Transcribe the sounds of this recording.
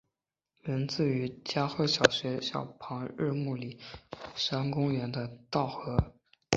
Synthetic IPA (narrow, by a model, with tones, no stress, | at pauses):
mə˧˥nt͡sɹ̩˥˩y˧˥t͡ɕja˥xwe˥˩ɪɕjɑ˨˩ʊɕɥɛ˧˥ɕjɑ̰˥˩ʊpʰɑ˧˥ŋɻ̩˥˧mu˥˩li˨˩˦ʂa˥nkʊ˥ŋɥɛ˧˥nd̪ə˧t̪ɑ˥˩ʊxɤ˧˥